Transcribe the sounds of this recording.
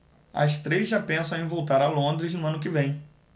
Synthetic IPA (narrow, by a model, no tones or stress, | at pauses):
ɐ̰st̪ɾejzʒapẽsɐ̃w̃ẽj̃vowt̪aɾɐlõnd̪ɾɪznʊɐ̃nʊkɪvẽj̃